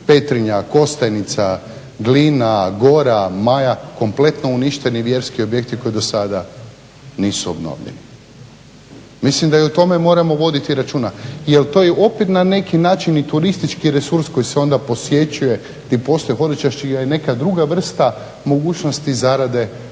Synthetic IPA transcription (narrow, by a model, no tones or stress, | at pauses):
pe̞t̪ɾiɲako̞st̪ajnit̪sa | ɡlinaɡo̞ɾamajako̞mple̞t̪no̞uniʃt̪e̞niʋje̞ɾskio̞bje̞k̚t̪iko̞jid̪o̞sad̪a | niːsuo̞bno̰ʋʎḛni | mislimd̪aiot̪o̞me̞mo̞ːɾamo̞ʋo̞d̪it̪iɾat͡ʃuːnaijelt̪o̞ːjeʔo̞pet̪nane̞kinaːt͡ʃinit̪uɾist̪it͡ʃkiɾe̞suɾsko̞jiseo̞nd̪apo̞sje̞t͡ʃuje̞ | t̪ipo̞st̪ojxo̞d̪it͡ʃaʃt͡ʃiɡajene̞kad̪ɾuɡaʋr̩st̪a | mo̞ɡuːt͡ʃnost̪izaɾad̪e̞